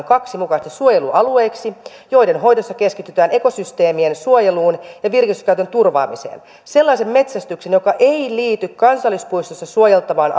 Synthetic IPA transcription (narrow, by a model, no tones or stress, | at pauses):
ŋkɑksimukɑst̪essuojeluʔɑlueːksijo̞jde̞nɦo̞jdosːɑke̞skit̪yt̪æːneko̞syst̪e̞ːmiensuojeluːnjɑʋirkist̪y̥kæyt̪ø̞nt̪urʋɑ̰ːmisḛːn | se̞lːɑisemme̞t̪sæst̪yksenjokɑʔeiliːt̪ykkɑnsɑlːispuist̪osːɑsuojelt̪ɑʋɑːnʔ